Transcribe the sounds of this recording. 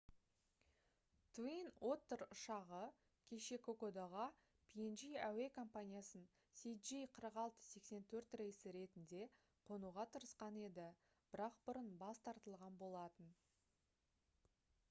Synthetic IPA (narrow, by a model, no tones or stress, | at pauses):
t̪vino̞t̪ːəɾʊʃɑʁə | kʲʰe̞ʃe̞kʰokod̪aʁɑ | pʰijenʒijæwe̞kʰo̞mpanʲijasən | sejʒijqʰəɾəqɑlˠt̪ə̥se̞kse̞nt̪ʰɵɾt̪rejsɪɾe̞t̪ɪnd̪e̞ | qʰonuʁɑt̪ʰəɾəsqɑne̞d̪ɪ | b̥ɪɾɑq̚bʊɾənbɑst̪ʰɑɾt̪əlˠʁɑnbo̞lˠɑt̪ən